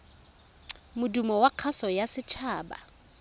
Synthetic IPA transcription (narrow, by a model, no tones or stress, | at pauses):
mʊdumɔwaq͡χʰasɔjasɪt͡ʃʰaːba̰